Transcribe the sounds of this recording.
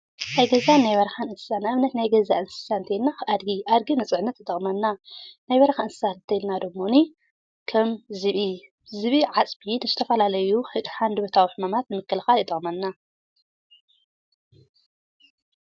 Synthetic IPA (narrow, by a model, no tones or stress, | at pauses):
najɡɐzanajβɐɾɐxanɨnsɨ̥sanɨʔɨmnɐt̪najɡɐzaʔɨnsɨ̥sant̪ʰɐjlnaʔad̪ɡiʔad̪ɡinɨt͡sʼɨʕnːɐt̪ɨt̪ʼɐχʼmɐnːanajβɐɾɐxaɨnsɨ̥sant̪ʰɐjlnad̪omːo̞ni | kʰɐmzɨβi | zɨβiʕat͡sʼbinɨzɨt̪ʰɐfɐlalɐjuħɨħand̪ɨbot̪ʰawiħɨmamat̪nɨmɨkːɨlxalɨt̪ʼɐχʼmɐnːa